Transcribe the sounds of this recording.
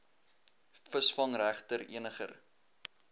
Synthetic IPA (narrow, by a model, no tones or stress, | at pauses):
fəsfɐŋræχtəɾiənəχə̰r